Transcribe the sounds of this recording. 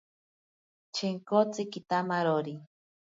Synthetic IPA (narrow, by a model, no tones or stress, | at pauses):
t͡ʃʰeŋkot͡sikit̪amaɾoɾi